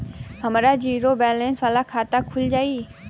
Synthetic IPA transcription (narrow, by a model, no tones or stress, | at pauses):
ɦɐmːɾad͡ʑiːɾobɛːlɛ̃nsʋaːlakʰaːt̪akʰʊld͡ʒaːiː